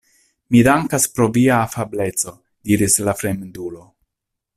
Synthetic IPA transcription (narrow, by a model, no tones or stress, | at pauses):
midaŋkaspɾo̞viaːfable̞t͡so̞ | d̥iɾislafɾe̞mdulo̞